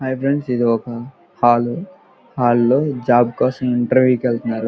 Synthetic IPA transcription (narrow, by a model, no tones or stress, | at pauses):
ɦɐjpɾeɳɖsid̪ʱɔkɐ | haːlu | haːlːoːd͡ʒaːbkɔːsɐ̃miɳʈɐɾʋjukeɭt̪unːaːɾu